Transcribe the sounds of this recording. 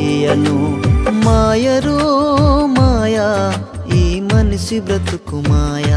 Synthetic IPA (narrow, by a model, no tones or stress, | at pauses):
ejɐnumaːjɐɾu | maːjɐ | iːmɐnusibɾɐt̪ukumaːjɐ